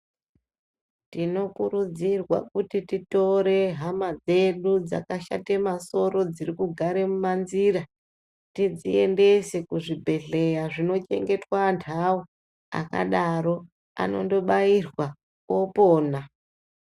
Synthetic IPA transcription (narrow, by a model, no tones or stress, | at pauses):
tino̞kuɾud͡zirwa̰kutitito̞ɾe̞ɦamad͡ze̞ɗud͡za̰kaʃa̰te̞maso̞ɾo̞d͡zirikuɡʱaɾe̞mumanzira | tid͡zie̞nde̞sekuʐibʱe̞ɮe̞jaʐino̞t͡ʃe̞̰ŋɡe̞twantʰao | a̰ka̰ɗaɾo̞ | a̰no̞̰ndo̞ɓairwa | o̞poːna